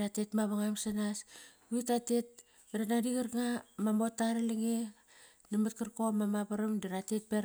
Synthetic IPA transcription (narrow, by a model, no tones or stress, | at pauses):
ɾatetmaβaŋamsanas | itate̞t̚ | beɾanadiɡaɾŋamamo̞tːaɾaleŋe | namat̚kaɾkomamapaɾamdeɾatet̚peɾ